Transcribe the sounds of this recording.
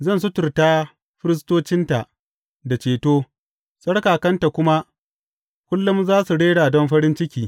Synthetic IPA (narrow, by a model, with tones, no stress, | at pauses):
zɐ˦˨ns̬ʊ˦tʊ˨rtaː˦ | ɸɪ˦ɾɪ˦s̬toː˦t͡ʃɪ˦nta˨ʔ | da˨t͡ʃeː˨toː˦ | sʼɐ˦ɽkaː˨kɐ˦nta˨kʷʊ˦ma˦ | kʷʊ˦lːʊ˦mzaː˦su˨ɽeː˦ɽaː˨dɔ˦mɸɐ˦ɾɪ˦nt͡ʃɪ˦kʲiː˨